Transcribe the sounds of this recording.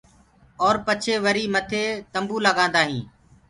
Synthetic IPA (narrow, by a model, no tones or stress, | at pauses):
ɔːɾpət͡ʃʰeːʋəɾiːmət̪ʰeːt̪əmbuːləɠãːnd̪aːɦĩː